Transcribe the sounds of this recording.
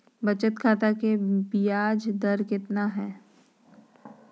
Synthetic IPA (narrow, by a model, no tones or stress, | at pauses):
bɐt͡ʃət̪kʰaːt̪akebijaːd͡ʒd̪ɐɾkɪt̪naɦɛː